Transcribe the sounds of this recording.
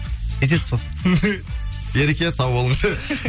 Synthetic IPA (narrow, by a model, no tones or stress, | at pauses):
et̪̬et̪so | beɾekʲesɑwbolˠəɴsə